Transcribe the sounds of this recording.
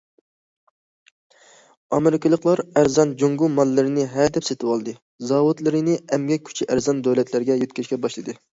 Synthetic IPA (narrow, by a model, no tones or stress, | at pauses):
ɑmeɾɪkʲʰɨlˠəqlˠɑɾæɾzɑnd͡ʒoŋɡumɑlˠːɪɾɪnɪɦæd̪ɛpset̪ʰɪwɑlˠd̪ɨ | zɑwud̪lˠɨɾɨnɨɛmɡʲɛkʲʰy̥t͡ʃʰiʔæɾzɑnd̪øwlɛt̪ʰlæɾɡʲɛjøt̪̚kʲiʃʲkʲɛbɑʃlˠɨd̪ɨ